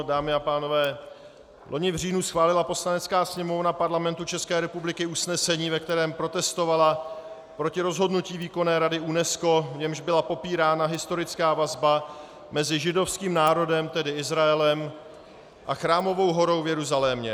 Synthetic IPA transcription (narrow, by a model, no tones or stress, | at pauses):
daːmɪapaːno̞vɛː | lʔo̞ɲɪvr̝iːnusxvaːlɪlapo̞slanɛt͡skaːsɲɛmo̞vnapaɾlamɛnt̪ut͡ʃɛskɛːɾɛpublɪkɪusnɛsɛɲiːvɛk̚t̪ɛɾɛːmpɾo̞t̪ɛst̪o̞vala | pɾo̞cɪɾo̞zɦo̞dnuciːviːko̞nɛːɾadɪunɛsko̞vɲɛmʒbɪlapo̞piːɾaːnaɦɪst̪o̞ɾɪt͡skaːvazba | mɛzɪʒɪdo̞fskiːmnaːɾo̞dɛmt̪ɛdɪɪzɾaɛlɛm | ʔaxɾaːmo̞vo̞wɦo̞ɾo̞wvjɛɾuzalɛmɲɛ